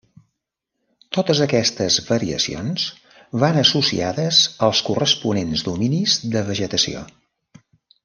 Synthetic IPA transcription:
t̪ot̪əzəkɛst̪əzβəɾiə̰sionz | βanəsusḭaðəzəlˠskurəspunenzd̪uminizðəβəʒət̪əsio̰

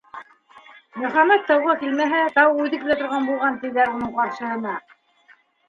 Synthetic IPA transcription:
mɵ̆χæmæt̪ːɑwʁɑkilmæɦæt̪ɑwʉðɘklæt̪ŏɾʁɑnbulˠʁɑnt̪ɘ̆ðæɾunɤɴqɑɾʃɤ̆ɦɤ̆nɑ

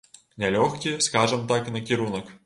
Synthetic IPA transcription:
nʲɛlʲɔxkʲiskaʐɨmt̪aknɐkʲiɾunək

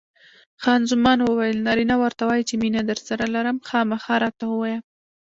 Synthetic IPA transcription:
xɑnzʊmɑnwəwajəlnɑɾinawəɾt̪awɑjit͡ʃeminad̪əɾsaɾalaɾamxɑmaxɑɾɑt̪awəwɑja

